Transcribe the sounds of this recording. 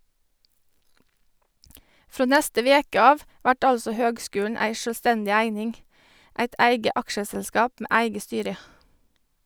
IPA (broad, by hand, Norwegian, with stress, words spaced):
ˈfɾoː ˈnɛstə ˈʋeːkə ˈɑːʋ ˈʋæʈ ˈɑlsɔ ˈhøːɡˌskʉːlɳ̩ ˈæɪ ˌʃøːlˈstɛndɪ ˈæɪnɪŋ ˈʔæɪt ˈæɪɡə ˈɑkʃəsɛlˌskɑːp ˈmeː ˈʔæɪɡə ˈstyːɾə